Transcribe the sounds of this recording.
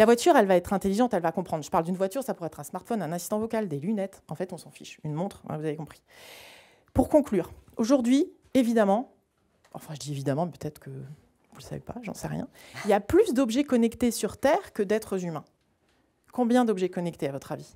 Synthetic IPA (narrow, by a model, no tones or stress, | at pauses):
lavwat̪ʰyʁɛlvaɛt̪χɛ̃t̪eliʒɑ̃t̪ɛlvakɔ̃pχɑ̃d̪ʁʒə̥paʁld̪ynvwat̪yʁsapuʁɛt̪χɛ̃smaʁt̪fɔnɛ̃nasist̪ɑ̃vɔkald̪elynɛt̪ɑ̃fɛt̪ɔ̃sɑ̃fḭʃynmɔ̃t̪χɛ̰̃vuzavekɔ̃pχi̥ | puʁkɔ̃klyːʁoʒuʁd̪ɥi | evid̪amɑ̃ | ɑ̰̃fɛ̃ʒəd̪ievid̪amɑ̃mpø̥t̪ɛt̪χə̥kʰə | vulsa̰vḛpa̰ʒɑ̰̃sɛ̰ʁjɛ̰̃iljaplysd̪ɔbʒɛkɔnɛkt̪esyʁt̪ɛːʁkəd̪ɛt̪χəzymɛ̃ | kɔ̃bjɛ̃d̪ɔbʒɛkɔnɛk̚t̪eavɔt̪χavi